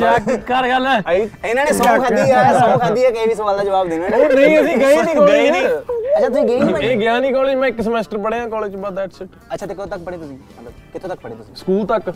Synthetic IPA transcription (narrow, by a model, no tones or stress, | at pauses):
t͡ʃɛːkkaɾɡəlːɛːiɪnãːneːsɔkʰaːd̪iːɛsõːkʰaːd̪iːɛːkeiʋiːs̬əʋaːld̪aːd͡ʒəʋaːbd̪eːnɛːnəːəsĩːkeinĩːoːeniətːt͡ʃʰaːt̪ʊsĩːɡẽːm̃eːɡjãːnĩːkɔːleːd͡ʒmɛ̃ːɪksəmɛːsʈəɾpəɽeːãːkɔːleːd͡ʒt͡ʃbəd̪ɛːʈsə | ətːʃʰaːt̪eːkəːt̪ək̚pəɽeːt̪ʊsĩː | ə | kɪt̪ʰõːt̪ɐk̚pəɽeːt̪ʊsĩːsə̥kuːlt̪ək